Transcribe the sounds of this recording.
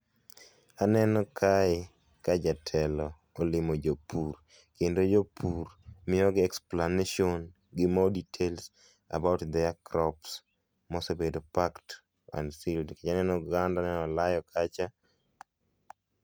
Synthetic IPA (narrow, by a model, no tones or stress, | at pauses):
anɛnɔkʰaɪ | kad͡ʒatʰɛlɔ | olɪmod͡ʒopuɾ | kendod͡ʒopʰuɾmɪjɔɡɪɛksplaneʃon | ɡɪmɔditʰels | a̰baʊtd̪ɛakɾɔps | mɔsobedopakt | a̰ndsildkat͡ʃanɛnɔɡandanɛnɔlajɔkʰat͡ʃa